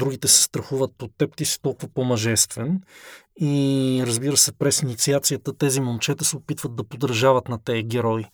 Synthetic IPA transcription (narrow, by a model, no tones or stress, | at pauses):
d̪ɾuɡ̟it̪ɛsɛ̥st̪ɾɐxuvət̪̚ot̪ːɛpt̪isi̥t̪ɔlˠkuvɐəpomɐʒɛst̪vɛn | iɾəzbiɾəsɛpɾɛsinit̪siat̪sijət̪ət̪ɛzimont͡ʃɛt̪əsɛopit̪vət̪̚d̪ɐpod̪ɾɐʒavət̪nɐt̪ɛəɡ̟ʲɛɾɔi